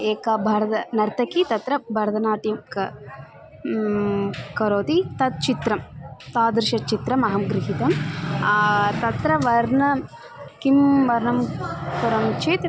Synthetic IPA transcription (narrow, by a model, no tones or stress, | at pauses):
eːkɐbʱɐɾɐt̪ɐnɐɾt̪ɐkit̪ɐt̪ɾɐbʱɐɾd̪ɐnaːʈjɐmkɐ | kɐɾoːt̪it̪ɐt̪̚t͡ʃit̪ɾɐmt̪aːd̪ɾɪʃɐt͡ʃit̪ɾɐmɐɦɐmɡɾɪɦit̪ɐmː | t̪ɐt̪ɾɐʋɐɾnɐ | kimʋɐɾnɐmkuɾɐmt͡ʃeːt̪